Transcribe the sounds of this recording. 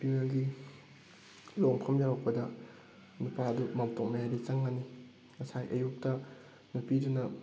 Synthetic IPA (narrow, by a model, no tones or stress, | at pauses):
pinelɡi | loŋpʰɐmjaɾok̚pɐdɐ | nupaɐdumamtok̚mɐjaɾit͡ʃɐŋːani | ŋɐsajʔɐjuk̚tɐ | nupidunɐ